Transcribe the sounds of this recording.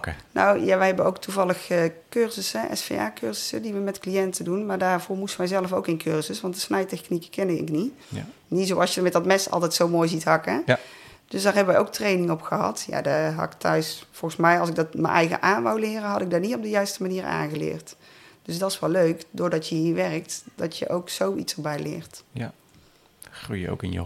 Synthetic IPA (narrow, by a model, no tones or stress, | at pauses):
no̰wjaʋəjɦɛbənowktuvɑlˠəxəkøɹzəsəʔɛ̰sfḛja̰ːkøɹzəsədiʋəmɛtklijɛntədunmaːɹdaːɹvʊːɹmustəʋɛjzɛləfowkɪnkʰøɹzəsʋɑntəsnɛjtɛxnikəkɛnəɪ̰kni | nitzowɑlˠsjədəɹmɛt̚dɑtmɛsɑ̰lˠtɛjtsowmoːjzitɦɑkə | d̥øsdaːɹɦɛbəʋɛjowk̚trejnɪŋɔpxəɦɑ̰tja̰ːdaɦɑ̰ktʰœ̰ɥsfɔlˠɣəsmɛjɑlˠsɪɡ̚dɑtmə̰nʔɛ̰jɣə̰ʔaːnʋawlɪːrəɦɑdɪɡ̚daːɹnitɔb̚dəjœɥstəmaniːɹa̰ːnɣəlɪ̰ːɹt | d̥øsdɑtɪsʋɛlːøɥkdʊːɹdɑtjəɦiːɹʋɛrək̚td̥ɑtjə̰ʔowksowḭtsəɹbɛjlɪ̰ːɹt | xrujəo̰wkɪ̰nj̰